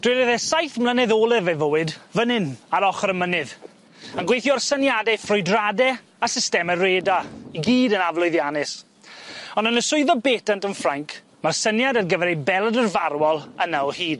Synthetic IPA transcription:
d̥wɪɾɨðɛsajθmlˠənɛðoːlˠɨvɛvowɨdvənɨnaɾɔχrəmənɨð | anɡwejθjuɔrsənjadɛfrʊjdradɛ | asɪstɛmɛreːdaiɡiːdənavlˠʊɨðjanɪs | ɔnənəsʊɨðɔbeːtantənfraŋkʰ | marsənjadarɡəvɛɾejbɛlˠədərvarwɔlˠənaɔhiːd̥

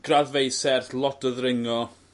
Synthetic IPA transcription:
ɡ̥raðvejsɛrθlˠɔtəðrɪŋɔ

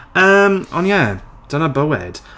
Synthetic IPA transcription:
əmɔnjɛ | d̥ənəbəwɪ̰d̥

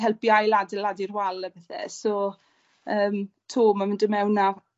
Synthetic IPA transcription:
ɦɛlpjajladɛladirwalˠəbɛθɛ̰sɔ | əːmtʰoːmamɪndəmɛwna

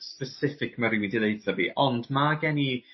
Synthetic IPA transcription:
spəsɪfɪkmaɾɪwindilejθaviːʔɔndmaɡɛni

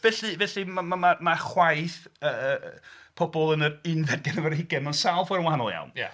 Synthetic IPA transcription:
vɛɬivɛɬimamamamaχwajθəəpʰɔbɔlˠənərɪnvɛd̚ɡɛnəvəɾhɪɡɛmansalˠfwɔɾənwahanɔ̰lˠja̰wnj

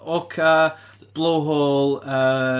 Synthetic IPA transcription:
ɔkʰə | b̥lˠowɦoːlˠə

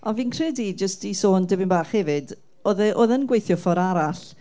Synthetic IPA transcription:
ɔnviːnkʰr̥ɛdid͡ʒəstisoːndɪbɪnbaːχhɛvɨd | oðɛʔoðənɡwejθjɔfɔɾaɾaɬ

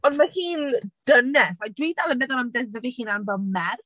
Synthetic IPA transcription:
ɔndmahiːnd̥ənɛsajdwidalˠəmɛðanɔmdɛnəvihiːnanvɛlˠmɛr

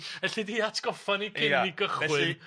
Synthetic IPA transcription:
ɛɬidiatʰɡ̥ɔfaniɡɪaiɡəχɛwɨi

